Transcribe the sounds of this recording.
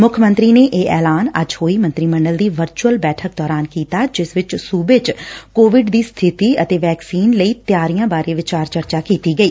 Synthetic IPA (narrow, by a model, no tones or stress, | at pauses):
mʊkʰmə̃nt̪ɾiːneːʔeːʔɛːlaːnə̰d͡ʒhoːiːmə̃nt̪ɾiːmə̃ɳɖəld̪iːʋəɾt͡ʃuəlbɛːʈʰək̚d̪ɔːɾaːnkiːt̪aːd͡ʒɪsʋɪt͡ʃsuːbeːt͡ʃkoːʋɪɖd̪iːst̪ʰɪt̪iːət̪eːʋɛːksiːnləiːt̪jaːɾijãːbaːɾeːʋɪt͡ʃaːɾt͡ʃəɾt͡ʃaːkiːt̪iːɡəiː